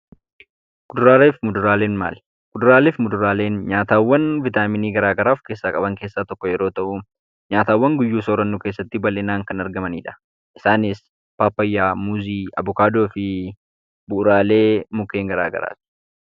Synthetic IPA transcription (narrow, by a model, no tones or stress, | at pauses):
ɡ̥ʊd̪ʊɾaːleːfɪmʊd̪ʊɾaːle̞ːnma̰ːl | ɡ̥ʊd̪ʊɾaːleːfmʊd̪ʊɾaːle̞ːnɲaːt̪aːwːɐnvɪt̪aːmɪniːɡɐɾaːɡɐɾaːfke̞ːsːaːkʼɐbɐŋke̞ːsːaːt̪ɔkːɔjɛɾo̞ːt̪ɐʔʊ | ɲaːt̪aːwːɐŋɡʊjːuːsoːɾɐnːuke̞ːsːɐt̪ːɪbɐlɛnaːŋkɐnɐɾɡɐmɐnḭːᶑɐ̥ | ʔɪsaːnɪs | paːpːɐjːaːmuːziːɐ̰bʊkaːd̪o̞ːfɪ | bʊɾaːle̞ːmʊkːe̞ːŋɡɐɾa̰ːɡɐ̰ɾa̰ːt̪ɪ̥